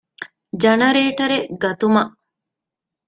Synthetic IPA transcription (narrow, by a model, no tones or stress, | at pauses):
d͡ʒɐnɐɾeːʈɐɾeɡɐt̪umɐʔ